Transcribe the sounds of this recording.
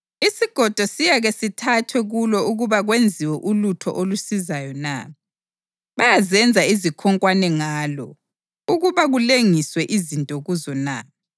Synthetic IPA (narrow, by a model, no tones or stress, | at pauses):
isiɡ̥ʱɔd̥ʱɔsijaɣesitʰatʰwɛɣulɔuɣuβaɣwend͡zʱiwɛʔulutʰɔ̰ʔolusizajɔna̰ | βajazɛnd͡zʱaizikʰɔŋkʼwanɛŋaːlɔ̰ | uɣuβaɣuleŋiswɛʔizintʼɔɣuzɔna̰